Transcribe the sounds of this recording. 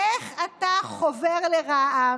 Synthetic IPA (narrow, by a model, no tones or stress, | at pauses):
eχataχoveʁleʁaʔa